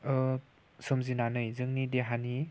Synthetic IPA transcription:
ɯ | sɔmzinanɯjzɯŋnideɦani

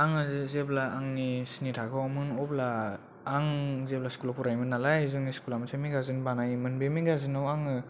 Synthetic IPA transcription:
aŋɯzɯzeblaʔːŋnisinitʰakʰawmɯnɔplaː | ŋzep̚laskulapuɾajmɯnalajzɯŋniskulamasʰamiɡazinbanajmɯnbemiɡazinɯwaŋɯ

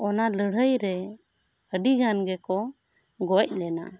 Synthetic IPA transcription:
ɔnaləɽ̤əjɾɛ | əɖiɡanɡɛkɔ | ɡɔc̚ˀlɛna̰

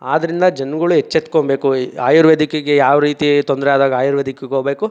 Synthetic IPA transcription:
aːd̪ɐɾind̪ɐd͡ʒɐnɐɡɐɭuɦet͡ʃːet̪ːkombeːkuaːjuɾʋed̪ʱikeɡejaːʋɐɾiːt̪it̪ond̪ɾɛjaːd̪aːɡɐaːjuɾʋed̪ʱikeɡoːbeːku

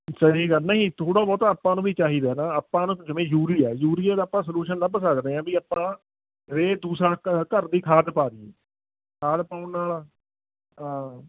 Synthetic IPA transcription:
səɦiːɡaːnəɦĩːt̪ʰoːɽaːbɔːt̪aːpːãːnũːbiːt͡ʃaːɦiːd̪aːnaːəpːãːnũːd͡ʒəmẽːjuːɾiːɛːjuːɾiːɛːd̪aːpːãːs̬əluːʃənləbsəkd̪eːãːbiːaːpːãː | ɾeːd̪uːsɾaːkkəɾd̪iːkʰaːd̪paːɾieː | kʰaːd̪paːʊɳnaːlaː | ɦãː

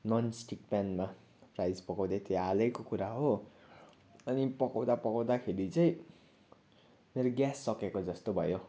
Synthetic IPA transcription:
nʌnsʈikpanma | prajd͡zpʌkawd̪at̪ʰealʌkokuɾaɦo | ʌnipʌkawd̪apʌkawd̪akʰeɾit͡sʌĩ | meɾoɡjasːʌkekod͡zʌst̪obʱʌ̰jo

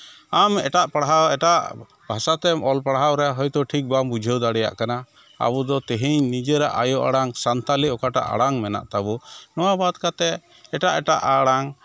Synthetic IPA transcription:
amɛʈaʔpaɽɦaɛʈaʔ | bʱasat̪ɛmɔlpaɽɦawɾɛaɦɔjt̪ɔʈʰik̚bambud͡ʒʱɛwd̪aɽɛja̰ʔkana | a̰bɔd̪ɔt̪ɛɦiɲnid͡ʒɛɾaʔajɔʔaɽaŋsant̪aliɔkaʈa̰ʔa̰ɽaŋmɛna̰ʔt̪abɔnɔwabad̪kat̪ɛ | ɛʈaʔɛʈaʔaɽaŋ

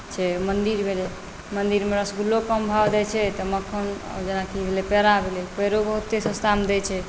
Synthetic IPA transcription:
t͡ʃʰɛmənd̪iɾbʱele | mənd̪iɾmeɾəsɡʱulːokəmbʱabd̪ɛt͡ʃʰɛt̪əməkʰːən̰d͡ʒenakibʱelɛpeɾabʱelɛpəɦɾobəɦut̪ːesə̃st̪amd̪ɛt͡ʃʰɛ

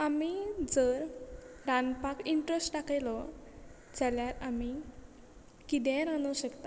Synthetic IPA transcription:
amid͡zəɾɾanpakiɳʈɾəsʈʈakajlɔ | d͡zaljaɾami | kid̪ɛ̃ɾanuɕəkt̪a

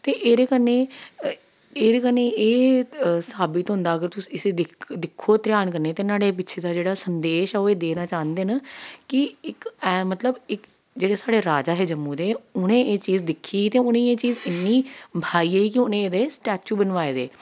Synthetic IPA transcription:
t̪eːʔeːɾeːkənẽː | eːɾeːkəneːeːsaːbɪt̪ɦʊ̃nd̪aːəɡəɾt̪ʊsi̥ːɪseːd̪ɪkd̪ɪkʰːoːt̪ɾjaːnkəɾneːt̪eːnaːɽeːp̬ɪtːʃʰeːd̪aːd͡ʒeːɽaːsənd̪eːʃɛːoːeːd̪eːnaːt͡ʃaːnd̪eːnakɪɪkɛːmət̪ləbɪk | d͡ʒeːɽeːsaːɽeːɾaːd͡ʒaːɦɛːd͡ʒəmːũːd̪eːʊnẽːeːt͡ʃiːzd̪ɪkʰːiːt̪eːʊnẽːeːt͡ʃiːzɪnːiːbʱaːiːeːiːkɪʊnẽːeːd̪eːsʈɛːt͡ʃuːbənʋaːeːd̪ḛː

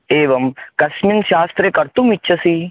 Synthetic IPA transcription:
eːʋɐmkɐʃminʃaːst̪ɾekɐɾt̪ũmitːt͡ʃʰɐsiː

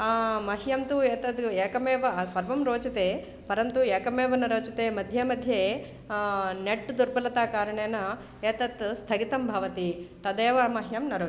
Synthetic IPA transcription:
mɐɦjɐmt̪ueːt̪ɐt̪eːkɐmeːʋɐsɐɾʋɐmɾoːt͡ʃɐt̪eː | pɐɾɐnt̪ueːkɐmeːʋɐnɐɾoːt͡ʃɐt̪eːmɐd̪ʱjemɐd̪ʱje | neʈːd̪uɾbɐlɐt̪aːkaːɾɐɳeːnɐ | eːt̪ɐt̪st̪ʰɐɡit̪ɐmbʱɐʋɐt̪it̪ɐd̪eːʋɐmɐɦjɐmnɐɾoː

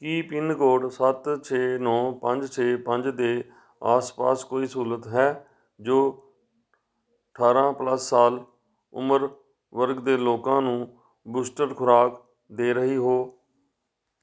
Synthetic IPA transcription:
kiːpɪnɡoːɖsət̪t͡ʃʰeːnɔ̃ːpəɲd͡ʒt͡ʃʰeːpəɲd͡ʒd̪eː | a̰ːspa̰ːskoːiːsuːɾət̪ɦɛː | d͡ʒoː | əʈʰaːɾãːpləsːaːl | ʊ̰məɾ | ʋəɾɡd̪eːloːkãːnũː | buːsʈəɾkʰʊɾaːk | d̪eːɾəɦiːɦoː

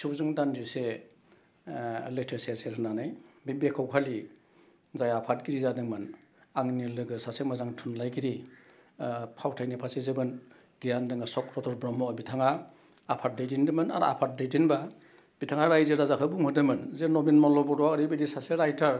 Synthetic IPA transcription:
sɯzɯŋdandise | letʰeseseɾɯnanajbibekʰawkʰali | zajapʰatɡiɾizadɯŋmɯn | aŋnilɯɡɯsasemazaŋtʰunlajɡiɾi | pʰawtʰajnipʰasezɯbɯn | ɡ̥ijandɯŋasɔkɾɔtʰɔɾbɾɔmɔbitʰaŋaː | pʰat̚dajdindɯmɯna̰ɾa̰pʰat̚dajdinba | b̥itʰaŋaɾajzɯɾazakʰɯbuŋhɯdɯmɯnzenɔbinmɔlɔbɔdɔaɾibidisaseɾajtʰaɾ

